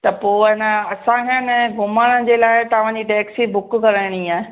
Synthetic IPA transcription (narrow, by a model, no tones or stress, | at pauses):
t̪ɐpoːɦɪnə̆ɐsãɦɪənɛ̃ːɡʊməɽəd͡ʑeːlaːɪt̪ɐʋ̤ãːd͡ʑiʈɛːksibʊkkɐɾəɪɽ̃iaːɦe